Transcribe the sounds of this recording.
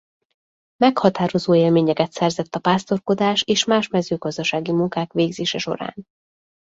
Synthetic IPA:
mɛkhɒt̪aːɾo̞zoːeːlmeːɲɛkɛt̪sɛrzɛt̪ːɒpaːst̪o̞rko̞d̪aːʃeːʃmaːʃmɛzøːɡɒzd̪ɒʃaːɡimuŋkaːkʋeːɡzeːʃɛʃo̞̰ɾa̰ːn

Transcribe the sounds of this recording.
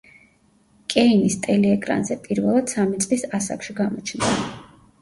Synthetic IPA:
kʼɛinist̪ʼɛlɛɛkʼɾa̰nzɛpʼiɾvɛlˠad̪̥samit̪sʼlisasa̰kʃiɡamɔt͡ʃʰnd̪a

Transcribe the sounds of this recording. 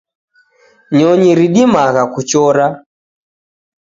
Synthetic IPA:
ɲɔɲiɾiɗimaɣakut͡ʃɔɾa

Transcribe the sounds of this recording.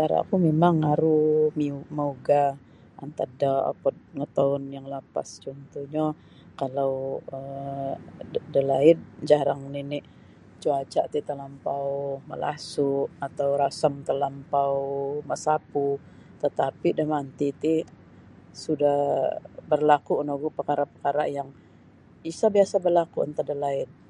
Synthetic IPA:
t͡ʃaɾa̰kumemaŋaɾumiuməuɡa | a̰nt̪adaa̰pəŋət̪aʊnjaŋlapa̰st͡ʃɔnt̪uɲa | kalawə | dəlaɪt̪̚d͡ʒaɾaŋninɪ | t͡ʃuat͡ʃaʔt̪it̪əlampawmə̰lʔa̰sʊʔat̪awɾasəmt̪əlampawməsapu | t̪ət̪apidamant̪it̪i | sudahbərlakuənoɡupəkaɾapəkaɾa̰jaŋ | isabiasabərlakuə̰nt̪adəlaɪt̪̚

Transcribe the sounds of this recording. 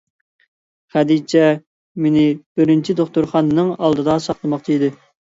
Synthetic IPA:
χæd̪it͡ʃʰɛ | menɪb̥ɪɾɪnt͡ʃʰid̪oχt̪uɾχɑnɨnɨŋɑlˠd̪ɨd̪ɑsɑχlˠɨmɑqt͡ʃʰid̪ɨ

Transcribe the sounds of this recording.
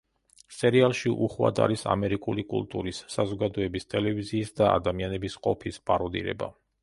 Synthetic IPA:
sɛɾialˠʃiʔuχwa̰d̪a̰ɾisa̰mɛɾikʼulikʼṵlˠt̪ʼuɾisːazɔɡad̪ɔɛbist̪ʼɛlɛviziːsd̪aa̰d̪amianɛbisqʼɔpʰispʼaɾɔd̪ḭɾɛ̰ba̰

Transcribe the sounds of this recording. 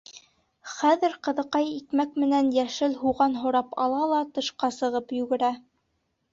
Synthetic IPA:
χæðɘɾqɤ̆ðɤ̆qɑjikmækmɘ̆nænjæʃɘlɦuʁɑnɦŏɾɑpɑ̰lˠɑlˠɑt̪ɤ̆ʃqɑsɤ̆ʁɤpjʉɡɘ̆ɾæ

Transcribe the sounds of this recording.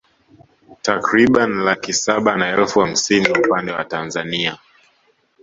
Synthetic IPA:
takɾiɓanlakisaɓanaɛlfuham̩siniupandɛwa̰tanzania

